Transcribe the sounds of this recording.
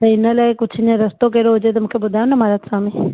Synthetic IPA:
t̪ɐɪnəlaːɪkʊd͡ʑʰʱnẽɾɐst̪okeːɾoɦʊd͡ʑet̪ɐmũːkʰebʊd̪ʱaːjõnɐmaːɾat̪sãːmĩ

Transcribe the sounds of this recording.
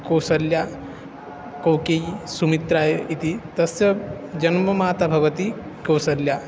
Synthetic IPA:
kowsɐlja | kowkeisumit̪ɾaːjʔit̪it̪ɐsjɐ | d͡ʒɐnmɐmaːt̪abʱɐʋɐt̪i | kɐwsɐljaː

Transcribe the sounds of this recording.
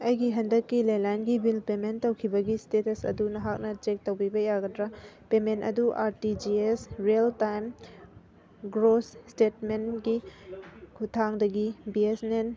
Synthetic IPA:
ɐjɡiɦɐndɐkːilajlajnɡibilpementːowkʰibɐɡistetɐsɐ̰dunɐɦak̚nɐt͡ʃek̚tɐwbibɐjaɡɐdɾapementɐ̰duʔaɾtid͡ʒiesɾieltajm | ɡɾosstetmenɡi | kʰutʰaŋdɐɡibiesnen

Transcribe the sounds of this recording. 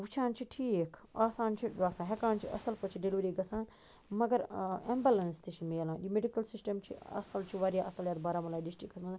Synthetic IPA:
ʋut͡ʃʰãːnt͡ʃʰiʈʰiːkʰaːsaːnt͡ʃʰiɖaːkʰãɦekaːnt͡ʃʰiʔɐ̰sɐlpɐt͡ʃʰiɖelʋuɾiːɡɐsãːn | mɐɡɐɾembɐlɐnst̪iʃʰimelãːɗimeɖikɐlsisʈɐmt͡ʃʰḭɐ̰sɐlt͡ʃʰiʋaːɾjaʔɐsɐljaːt̪baːɾaːmɐlaːɖisʈɾikːɐsmɐa

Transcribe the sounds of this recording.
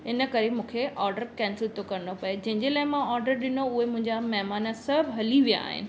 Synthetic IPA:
ɪnə̆kɐɾemũːkʰeʔɔːɾɖəɾkɛ̃ːnsɪlt̪okɐɾɪnopɐed͡ʑɐ̃ɦɪ̃ɲd͡ʑelaːɪmãɔːɾɖəɾɗɪnoʊɦemʊ̃ɦɪ̃ɲd͡ʑamɐɦmaːnəsɐbʱɦɐliʋija̰ːɦɪ̰nɪ̆

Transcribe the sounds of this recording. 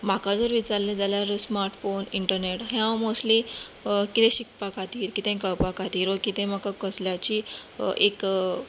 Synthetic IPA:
makad͡zəɾʋit͡saɾled͡zaljaɾsmaɾʈfoniɳʈəɾneʈɦɛ̃mosʈlikit̪ẽɕik̚pakat̪iːɾkit̪ẽkəɭpakat̪iːɾʋəkit̪ẽmakakəsljat͡ɕiʔek

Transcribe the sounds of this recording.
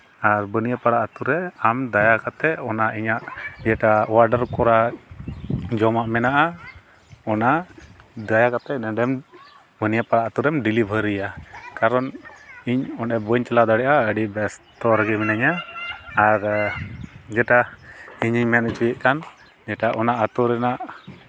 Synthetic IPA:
aɾbənijapaɽaʔat̪uɾɛamd̪ajakat̪ɛʔɔnaiɲaʔd͡ʒɛʈawaɾɖəɾkɔɾa | d͡ʒɔmaʔmɛnaʔa | ɔna | d̪ajakat̪ɛʔnɛɖɛm | bənijapaɽaʔat̪uɾɛmɖilibʱəɾijakaɾɔniɲɔnɛbəɲt͡ʃɛlad̪aɽɛʔaəɖibɛst̪ɔɾaɡɛminaɲaː | ɾ | d͡ʒɛʈaiɲiɲmɛnt͡ʃujɛʔkan | d͡ʒɛʈaʔɔnaʔat̪uɾɛnaʔ

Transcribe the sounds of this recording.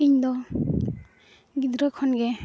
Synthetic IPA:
iɲd̪ɔ | ɡid̪ɾɔkʰɔnɡɛ

